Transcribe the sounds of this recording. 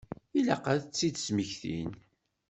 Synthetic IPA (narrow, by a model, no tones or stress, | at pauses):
ilæ̰qaðət͡sːid̪sməçθḭn